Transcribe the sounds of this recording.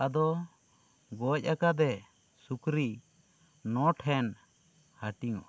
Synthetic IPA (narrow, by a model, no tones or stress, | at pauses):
ʔad̪ɔ | ɡɔc̚ˀakad̪ɛ | sukɾi | nɔʈʰɛn | haʈiŋɔ̰ʔ